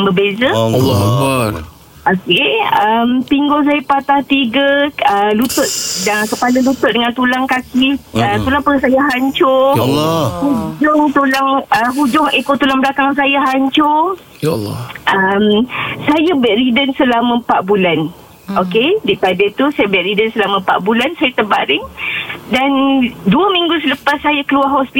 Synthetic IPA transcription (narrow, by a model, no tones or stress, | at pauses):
bəbezəlː | ʔokeəmpiŋɡʊŋs̬ajapat̪aht̪iɡəəlut̪ʊʔ̚daŋkəpaləlut̪ʊʔdəŋãnt̪ulaŋkakiət̪ulaŋpəəsajaɦaɲt͡ʃʊ | hud͡ʒʊŋt̪ulaŋəɦud͡ʒʊŋekoʔt̪ulaŋbəlakaŋs̬ajaɦaɲt͡ʃʊ | lʔəmsajabɛʔɾidənsəlamə̃paʔbulan | okedeʔpadat̪usajabɛʔɾidənsəlamə̃pa̰ʔbulansajat̪əbaʔɾɪŋdanduəmĩŋɡus̬ələpasːajakəluahɦɔspi